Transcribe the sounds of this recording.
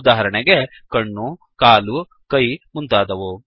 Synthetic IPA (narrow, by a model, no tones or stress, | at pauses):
d̪aːɦɐɾɐɳeɡe | kɐɳːu | kaːlu | kɐjmunt̪aːd̪ɐʋu